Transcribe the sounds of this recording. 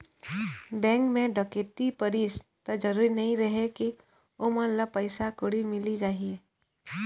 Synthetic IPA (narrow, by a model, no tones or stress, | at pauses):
bɛ̃ːŋkmẽɖəket̪ipəɾist̪ɐd͡ʒəɾuːɾinɐɦĩɾɐɦeki | oːmalapəɪsakoɽimɪlid͡ʒaːɦie